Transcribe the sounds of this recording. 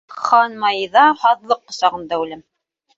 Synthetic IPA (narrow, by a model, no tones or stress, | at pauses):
χɑnmɑjðɑhɑðlˠɤqːŏsɑʁɤ̆nd̪ɑʉlɘm